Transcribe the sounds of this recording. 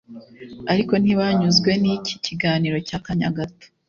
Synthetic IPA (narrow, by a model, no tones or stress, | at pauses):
aɾiko̞niβaɲuzɡwe̞niciciɡaːniːɾo̞caːkaɲa̰ɡatḁ